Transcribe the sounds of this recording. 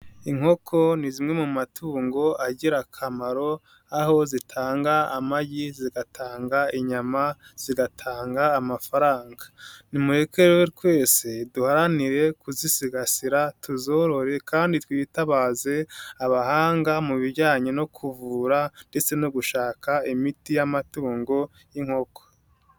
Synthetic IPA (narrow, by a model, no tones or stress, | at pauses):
iŋ̥ho̞kʰo̞nizimŋe̞mumatʰuːŋɡo̞ʔaɟiɾakʰamaɾo̞ | aho̞zitʰaːŋɡaa̰maɟiziɡatʰaːŋɡaiɲamaz̥iɡatʰaːŋɡaːmafaɾaːŋɡḁnimuɾekeɾwetwe̞ːseduhaɾaniɾe̞kuzisiɡasiɾatʰuzo̞ɾo̞ɾe̞kʰaːnditwiːtaβaːze̞aβahaːŋɡamuβiɾɟaːɲeno̞kʰuvuɾande̞t͡se̞noɡuʃaːkaimitijamatuːŋɡo̞ | jiŋho̞kʰo̥